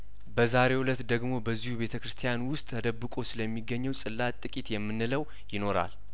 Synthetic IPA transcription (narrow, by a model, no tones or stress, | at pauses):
bəzaɾe̞wulət̪d̪əɡmo̞bəzːihube̞t̪ʰəkɾɨst̪ʰijanwʊst̪ʼːʰəd̪əbːɨkʼo̞sɨləmːiɡːəɲːɛwsʼɨlːat̪ʼɨkʼit̪jɛmːɨnːɨləw | jɪno̞ɾa̰l